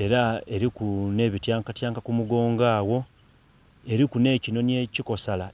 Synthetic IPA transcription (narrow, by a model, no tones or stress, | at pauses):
e̞ɾae̞ɾikune̞ːβitjaːŋkatjaːŋkakumuɡo̞ːŋɡaːwo̞ | e̞ɾikune̞ːcino̞nje̞ciko̞sala